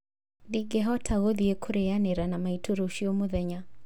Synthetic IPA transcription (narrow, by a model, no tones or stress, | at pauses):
diɡɛɦɔtʰaɣɔðiɛkʰuɾɛjanɛɾanamaituɾoʃiɔmuðɛɲa